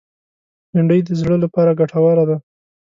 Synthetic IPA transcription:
naɳɖəjd̪əzɽəlapɑɾaɡaʈʰawɑɾad̪a

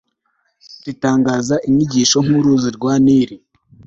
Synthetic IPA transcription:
titaːŋɡaːzaʔiɲiɟiːʃo̞ŋ̥uɾuːziɾɡwaːniːɾi

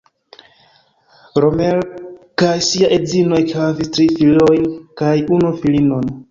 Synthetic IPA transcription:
ɾomelkajsiaʔezinoekhavistɾifilojnkajunufilinon

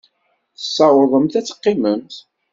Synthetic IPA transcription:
θə̥sˤːɑwəɾðˤəmθæt͡sːə̥qːiməmt̪

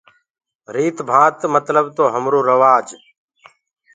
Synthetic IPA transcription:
ɾiːt̪bʱãːt̪mət̪ləbt̪oːɦəmɾoːɾəʋaːd͡ʒ

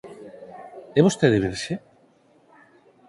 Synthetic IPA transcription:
ɛβost̪eðeβeɾʃe

